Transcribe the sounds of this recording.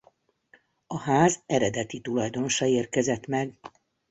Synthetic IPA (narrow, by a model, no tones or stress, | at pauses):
ɒhaːzɛɾɛd̪ɛt̪it̪ulɒjd̪o̞no̞ʃɑeːrkɛzɛt̪mɛɡ